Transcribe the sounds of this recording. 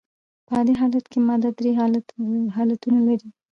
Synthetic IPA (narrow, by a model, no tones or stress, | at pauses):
pəd̪eɦɑlat̪kʰemɑd̪ad̪ɾeɦɑlat̪ɦɑlat̪unalaɾi